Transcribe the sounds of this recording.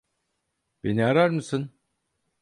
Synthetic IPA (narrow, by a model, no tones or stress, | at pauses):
b̥eniaɾaɾmɯsɯn